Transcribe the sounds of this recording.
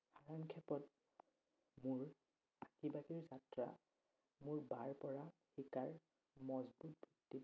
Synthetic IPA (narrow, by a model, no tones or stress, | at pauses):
xaɹaŋkʰɛpɔt | mʊɹ | akibaɡiɹzatɹa̰ | mʊɹbaɹpɔɹaxikaɹ | mɔzbut̚bʱitːi